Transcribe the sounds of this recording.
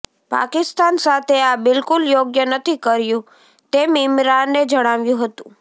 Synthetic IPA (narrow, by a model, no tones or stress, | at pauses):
pa̰kɪst̪ansat̪ʰeabɪlkʊljoɡjənət̪ʰikəɾjũ | t̪emɪmɾanːed͡ʒəɽ̃aʋjũɦət̪ũ